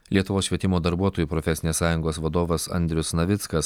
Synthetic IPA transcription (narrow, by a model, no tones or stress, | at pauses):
lʲiɛt̪ʊʋoːsʃʲʋʲiɛt̪ʲɪmoːd̪ɐɾbuɔt̪oːjuːpɾɔfʲɛsʲɪnʲeːssɑːjʊŋɡoːsʋɐd̪oːʋɐsɐ̰nʲd̪ʲɾʲʊsnɐʋʲɪt̪skɐs